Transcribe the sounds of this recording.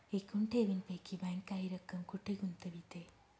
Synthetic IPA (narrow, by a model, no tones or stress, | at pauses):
ekuɳʈʰeʋinpekʰːibaŋkaɦiɾɐkːɐmkuʈʰːeɡunt̪ɐbit̪e